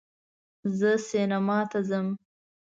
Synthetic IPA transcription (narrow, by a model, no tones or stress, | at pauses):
zəsenamɑt̪azəm